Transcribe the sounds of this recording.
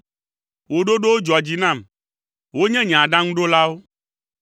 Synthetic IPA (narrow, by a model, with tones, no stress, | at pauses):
wo˨ɖo˦ɖo˦wo˦d͡ʒɔ˨a˨d͡ʑi˦nã˦˨m | wo˦ɲɛ̃˦ɲã˨a˨ɖã˦ŋũ˦ɖo˦la˦wo˦